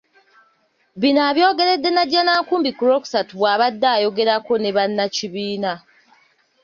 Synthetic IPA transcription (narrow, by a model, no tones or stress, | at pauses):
βinaːβjo̞ːɡe̞ɾe̞dːe̞naɟːanaːŋkuːmbikuɾo̞ːku̥satuβwaːβadːaːjo̞ɡe̞ɾako̞ne̞βanːaciβiːna